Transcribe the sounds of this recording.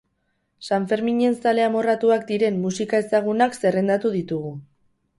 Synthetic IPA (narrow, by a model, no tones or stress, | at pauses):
saɱfe̞ɾmiɲe̞nsale̞amo̞rat̪uakd̪iɾe̞mːusikae̞saɣ̞unakse̞re̞nd̪at̪uðit̪uɣu